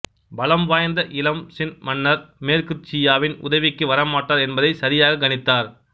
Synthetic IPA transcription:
bɐlɐmʋaːjɐnd̪ɐʔɪlɐmsɪnmɐnːɐɾmeːɾkɪɾɪt͡ʃːɪjaːʋɪnʊ̰ðɐʋɪkːɯʋɐɾɐmaːʈːaːɾɛnbɐðɐɪsɐɾɪjaːɣɐɡɐnɪt̪ːaːɾ

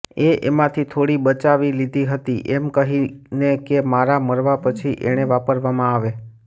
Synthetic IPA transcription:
eʔḛmãt̪ʰit̪ʰoɽibət͡ʃaʋilid̪ʱiɦət̪iʔemkəɦinekemaɾaməɾʋapət͡ʃʰiʔḛɽ̃eʋapəɾʋamãaʋe

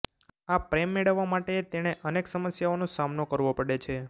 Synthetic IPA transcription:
apɾemːeɭəʋːamaʈet̪eɽ̃eʔəneksəməsjaonosamnokəɾʋopəɽet͡ʃʰe

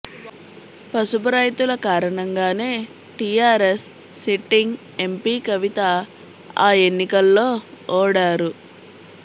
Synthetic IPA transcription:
pɐsubɐɾɐjt̪ulɐkaːɾɐɳɐŋɡaːne̞ː | ʈijaːɾesː | iʈiŋɡ | e̞mpiːkɐʋit̪ɐ | aːe̞nːikɐlːoːɔːɽaːɾu

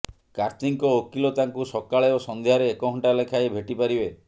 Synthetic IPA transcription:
kaɾt̪iŋkɔokilɔt̪aŋkusɔkaɭeɔsɔnd̪ʱjaɾeːkɔɦɔɳʈalekʰaebʱeʈipaɾibe

